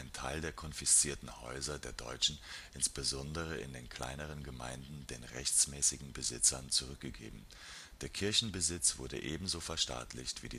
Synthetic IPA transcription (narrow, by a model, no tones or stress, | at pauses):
ɪntʰa̰ɪldeːɐkʰɔnfɪst͡siːɐtn̩hɔ̰ʏzɐdeːɐdɔ̰ʏt͡ʃn̩ʔɪnsb̥əzɔndəʁ̞əɪ̰ndeːnkʰl̥a̰ɪnəʁ̞ənɡəma̰ɪndn̩deːnʁɛçt͡smɛːsɪɡŋ̩bəzɪt͡sɐnt͡suʁ̞ʏk̚ɡ̥əɡḛːbm̩ | d̥eːɐkʰɪɐçn̩bəzɪt͡sv̥ʊɐdə̰ʔeːbm̩zoːfɛɐʃta̰ːtʰlɪ̰çtv̥iːdiː